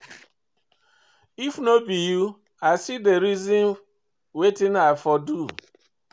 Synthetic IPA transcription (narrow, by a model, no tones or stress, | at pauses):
ifnobiju | asideɾizĩn | wetinafɔdu